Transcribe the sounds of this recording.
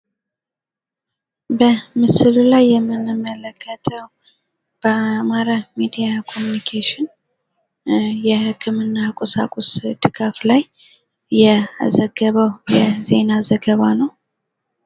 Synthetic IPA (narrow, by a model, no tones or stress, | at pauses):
bəmɨsɨlulajːɛmːɨnɨmələkʰːət̪ʰəw | b̥əamaɾamid̪ijakʰo̞munikʰeʃɪn | jɛhɨkʰːɨmɨnːakʷʼosa̰kʼosd̪̥ɨɡaflajː | ɛa̰zəɡəβəwjɛze̞̰nazəɡəβanəw